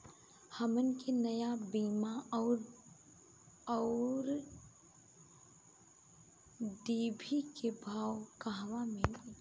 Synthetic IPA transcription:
hɐmənkenɐjabiːmaɔːɾ | ɔːɾ | ɖ̪iːbʱikʰebʱaːwkaɦʋamele

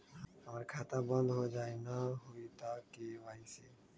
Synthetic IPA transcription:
əməɾkʰaːt̪ãbə̃nd̪ɦoːd͡ʒaːenaɦoit̪aːkːeʋaːise

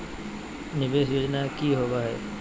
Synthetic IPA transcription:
nɪbeːs̬joːd͡ʒnakiɦoːɡaɦɛː

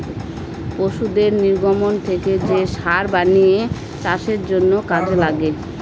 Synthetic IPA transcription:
poʃud̪eɾniɾɡʱomont̪ʰeked͡ʑeʃaɾbanije | t͡ɕaʃeɾd͡ʑonːokad͡ʑelaɡe

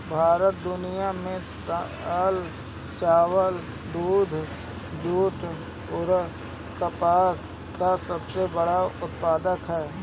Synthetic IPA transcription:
bʱaːɾət̪̚d̪ʊnijamẽ | t̪ | əl | t͡ʃaːwəl | d̪uːd̪ʱ | d͡ʒuːʈʰ | ʊɾ | kəpaːɾ | kasəbsebəɽaʊt̪̚paːd̪əkɦɛː

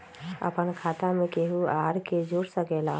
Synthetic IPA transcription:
ə̰pənkʰaːt̪ãmẽkeɦuaːɾked͡ʒoːɾsəkelaː

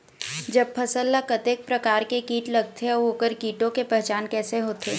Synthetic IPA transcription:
d͡ʒɐb̚pʰɐsəlːakɐt̪eːk̚pɾɐkaːɾkekiːʈlɐɡ̚t̪ʰeɔoːkəɾkiːʈõkepɛɦt͡ʃaːnkɛːseɦoːt̪ʰeː

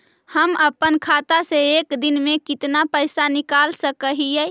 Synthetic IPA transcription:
həməpənkʰat̪aseekd̪inmekit̪napəɪsanikalsəkəɦijɛ

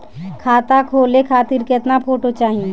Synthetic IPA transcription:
kʰaːt̪akʰoːlekʰaːt̪iːɾket̪napʰoːʈot͡ʃaːɦiẽ

